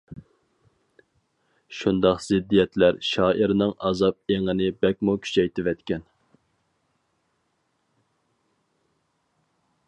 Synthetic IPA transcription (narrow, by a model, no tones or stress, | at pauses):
ʃund̪ɑqz̥ɪd̪ːijɛt̪læɾʃɑːʔiɾnɨŋʔɑ̰zɑp̚eŋɪnɪbɛk̚ʲmukʲʰy̥t͡ʃʰɛjt̪ʰɪvɛt̪kʲɛn